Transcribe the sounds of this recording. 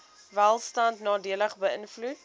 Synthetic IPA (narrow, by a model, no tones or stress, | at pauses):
vælˠstɐntnɑːdiələχbəənflut